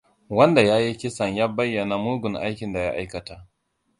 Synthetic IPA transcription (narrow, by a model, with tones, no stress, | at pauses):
wɐ˦nda˨jaː˦ji˦kʲɪ˦sɐ˨ɲjaː˦bɐ˦jːɐ˨na˨muː˦ɡʷʊ˨ŋʔa̰˦jkʲɪ˨nda˨ja̰˦ʔa˦jkɐ˨ta˨ʔ